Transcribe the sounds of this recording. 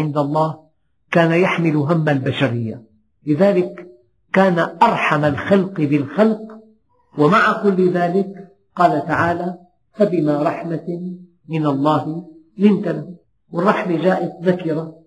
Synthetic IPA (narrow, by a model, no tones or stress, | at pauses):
ɪnd̪alˤːɑːh | kaːnajaħmɪlɦamːalbaʃaɾɪjːa̰ | lɪðaːlɪkː | aːnaʔɑɾˤħamalxalqbɪlxalq | wamaʕakʊlːðaːlɪk | qɑːlat̪aʕaːla | habɪmaɾˤɑħma | mɪnalˤːɑːhɪ | lɪnt̪ala | wɪrˤːɑħmad͡ʒaːʔɪt̪ðakɪɾˤa